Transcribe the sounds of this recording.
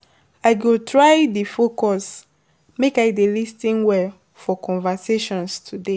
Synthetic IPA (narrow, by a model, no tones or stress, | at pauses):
aɪɡotʰɹajdifokɔs | mekaɪdelistĩnwɛ | fɔkʰɔ̃nvaseʃɔ̃nstʰude